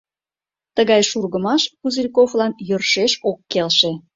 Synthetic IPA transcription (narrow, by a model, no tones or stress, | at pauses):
t̪əɣɑjʃurɣəmɑʃkuzirʲkoflɑnjørʃeʃokːelʃe